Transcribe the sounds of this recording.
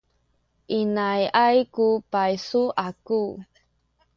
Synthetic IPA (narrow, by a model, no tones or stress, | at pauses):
ʔinajʔajkupajsuʔaku